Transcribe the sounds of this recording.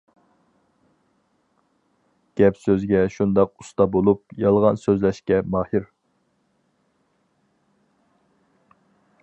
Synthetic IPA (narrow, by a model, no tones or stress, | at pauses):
ɡ̥ʲɛpsøzɡʲɛʃund̪ɑqu̥st̪ɑbolˠupjɑlˠʁɑnsøzlɛʃkʲɛmɑːhiɾ